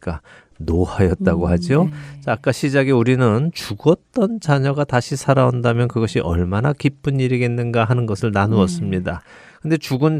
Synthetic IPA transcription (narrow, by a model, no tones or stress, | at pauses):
k͈a | noajʌt̚t͈aɡohad͡ʑiot͡ɕaːk͈aɕʰid͡ʑaɡiuɾinɯnt͡ɕuɡʌt̚t͈ʌnt͡ɕaɲʌɡataɕʰisʰaɾaondamjʌnkɯɡʌɕʰiʔʌ̰ɭmanakip͈ɯɲiɾiɡenːɯnɡaɦanɯnɡʌsʰɯɭnanuʌs͈ɯmɲidakɯnde̞t͡ɕuɡɯn